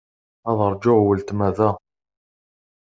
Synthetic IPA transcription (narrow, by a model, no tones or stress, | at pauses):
æðˤəɾˤd͡ʒʊʁwəlt̪mæðæ